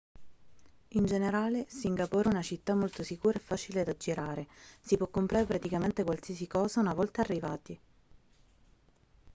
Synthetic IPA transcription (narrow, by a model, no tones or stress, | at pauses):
ind͡ʒeneɾaːlesiŋɡapoːɾɛunat͡ʃit̪ːamːolt̪osikuːɾaɛfːaːt͡ʃiled̪ad͡ʒːiɾaːɾesipwɔkːompɾaːɾepɾat̪ikament̪ekwalsiasikɔːzaunavɔlt̪aːrːivaːt̪i